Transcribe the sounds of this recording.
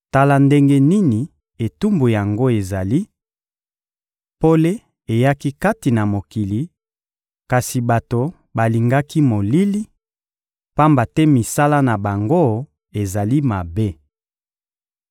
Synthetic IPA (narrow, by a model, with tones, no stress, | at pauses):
ta˦la˦nde˦ŋɡe˦ni˦ni˨ | e˨tu˦mbu˨ja˨ŋɡo˦e˨za˨li˦ | po˦le˦ | e˨ja˦ki˦ka˦ti˨na˨mo˨ki˨li˨ | ka˨si˨ba˨to˨ | ba˨li˨ŋɡa˦ki˦mo˨li˦li˦ | pa˦mba˨tɛ˦mi˨sa˦la˦na˨ba˨ŋɡo˦ | e˨za˨li˦ma˨be˦